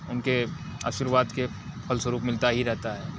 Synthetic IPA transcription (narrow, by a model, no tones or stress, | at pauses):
ʊnke | a̰ʃiɾʋaːd̪ke | pʰɐlsəɾuːpmɪlt̪aɦiɾɛɦt̪aɦɛː